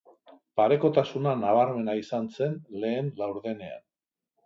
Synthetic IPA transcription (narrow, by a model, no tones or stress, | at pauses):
paɾe̞ko̞t̪asunanaβ̞aɾme̞naisanse̞nle̞ːnlawɾðe̞ne̞a̰n